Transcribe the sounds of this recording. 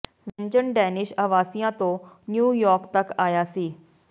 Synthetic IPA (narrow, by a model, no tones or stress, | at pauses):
ʋɛ̃ɲd͡ʑənɖɛːnɪʃɐʋaːsijãt̪õ | njuːjɔːɾkt̪ɐkaːjaːsiː